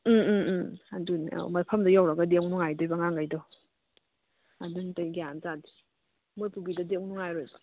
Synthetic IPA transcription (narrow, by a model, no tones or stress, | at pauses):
adunia̰mɐpʰɐmdɐjawɾaɡadeŋnuŋajdojbaŋaŋɡajdɔ | aduntajɡijanzadi̥ | mojpubidɐdeŋnuŋajɾojbɐ